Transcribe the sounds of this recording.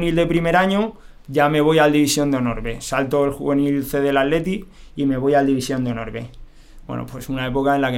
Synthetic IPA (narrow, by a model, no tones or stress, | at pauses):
nild̪e̞pɾime̞ɾaɲo | ɟ͡ʝame̞β̞o̞jald̪iβisjo̞nd̪eono̞̰ɾβe̞salt̪oelxṵβe̞nilθe̞ðe̞lalle̞t̪i | ime̞β̞o̞jald̪iβisjo̞nd̪eonoɾβe̞̰ | bwḛno̰pwesunae̞po̞kaenlake